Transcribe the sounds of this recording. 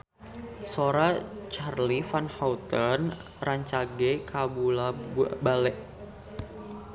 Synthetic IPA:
soɾat͡ʃarlifanhaut̪ən | raɲt͡ʃaɡɛkʰabulabalɛʔ

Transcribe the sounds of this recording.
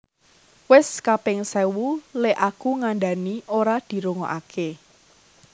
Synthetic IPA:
wɪskapɪŋsɛwuleʔakuŋanɖa̤nioɾad̪̥i̤ɾuŋɔʔakʰe

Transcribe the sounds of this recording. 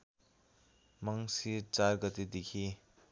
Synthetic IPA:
maŋsit͡ʃaɾɡɐt̪id̪ikʰi

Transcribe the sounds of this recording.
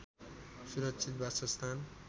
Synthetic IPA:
suɾʌksʰit̪̚basʌst̪ʰan

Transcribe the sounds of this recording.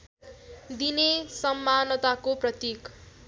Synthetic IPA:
d̪inesʌmːanʌt̪akoprʌt̪ik

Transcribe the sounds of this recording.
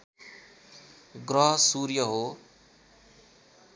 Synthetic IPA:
ɡrʌɦʌsuɾjʌɦo

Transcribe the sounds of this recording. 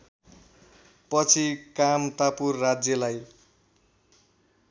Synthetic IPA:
pʌt͡sʰikamt̪apurːad͡zjʌlaj

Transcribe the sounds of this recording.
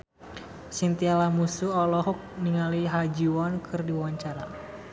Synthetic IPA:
sint̪ialamusuɔlɔɦɔk̚niŋaliɦad͡ʒiwɔnkʰɨrdiwaɲt͡ʃaɾa

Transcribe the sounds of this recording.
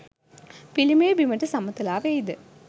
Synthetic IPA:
pilimeːbimɐʈːɨsɐmːɐt̪ːilaːʋeːjid̪ɨ

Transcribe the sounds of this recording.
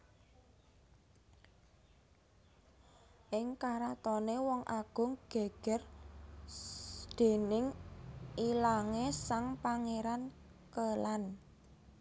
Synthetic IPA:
ʔɪŋkaɾat̪ɔnewɔŋʔaɡ̥ʊ̤ŋɡ̥e̤ɡ̥ɛ̤r | d̪̥e̤nɪŋ | ilaŋesaŋpaŋeɾan | kəlan

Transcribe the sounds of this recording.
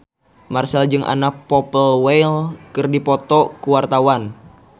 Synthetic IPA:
marsɛld͡ʒɨŋʔa̰nak̚pɔpəlwejlkɨrdipɔt̪ɔkuwart̪awan

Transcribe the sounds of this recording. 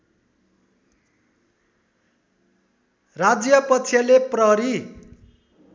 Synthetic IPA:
rad͡zjʌpʌtt͡sʰjʌleprʌɦʌɾi

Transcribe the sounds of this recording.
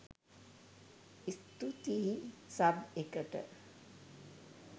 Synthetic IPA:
ist̪ut̪iɦisabekəʈə̰

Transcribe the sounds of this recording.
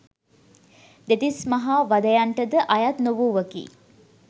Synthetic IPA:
d̪et̪ismɐɦaʋad̪əjaɳʈəd̪əʔajat̪noʋuːʋəkḭː

